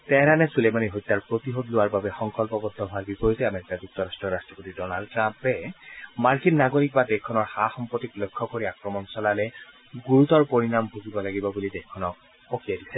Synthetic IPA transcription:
tɛɾanɛsulemaniɦojtːaɹpɹot̪iɦodlʊwaɹbabɛxɔŋkɔlpɔbɔdʱːɔɦaɹbipɔjitɛameɹikad͡ʒuk̚tʰɔɹastɹɔɹastɹɔpotidɔnaldtɹampɛmaɹkinːaɡoɹik̚badɛkʰːɔnɔɹxaxɔmpɹotiklojkʰːɔkoɹiakɹɔmɔnsɔlalɛ | ɡuɹut̪ɔɹpoɹinambʱuɡibɔlaɡibɔbulidɛxkʰːɔnɔk̚ | pokʰijadisɛ

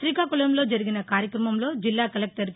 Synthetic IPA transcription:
ɾikaːkulɐmlo̞ːd͡ʒɐɾiɡinɐkaːɾjɐkɾɐmɐmlo̞ːd͡ʒilːaːkɐlek̚ʈɐɾ

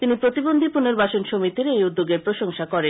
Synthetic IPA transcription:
t̪inipɾot̪ibond̪ʱipuneɾbaʃonʃomit̪iɾejud̪ːoɡeɾpɾoʃoŋʃakɔɾen

